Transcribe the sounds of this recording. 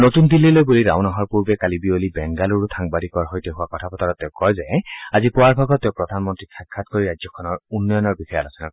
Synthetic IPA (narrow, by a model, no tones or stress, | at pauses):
notund̪ilːilojbuliɹa̰ʊ̃nɔɦɔɹpuɹbɛkalibiolibɛŋɡaluɹutʰaŋbadikɔɹɦojteɦuwakɔtʰapɔtaɹɔt̪ɛʊ̃kɔjzɛazipʊwaɹbʱaɡɔtːeʊ̃pɹɔd̪ʱanmɔntɹiakʰːatkoɹiɹajzɔkʰɔnɔɹunːɔjɔnɔɹbixʰɔjalasɛna